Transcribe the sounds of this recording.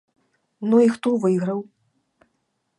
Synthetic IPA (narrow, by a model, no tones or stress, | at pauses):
nuixt̪uvɨɣɾɐw